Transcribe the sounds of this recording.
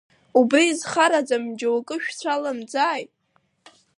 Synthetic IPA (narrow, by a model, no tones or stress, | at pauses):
ubriːzχaɾad͡zamd͡ʒawakʼɨʃᶣt͡sʷʰalamd͡zaːjtʼ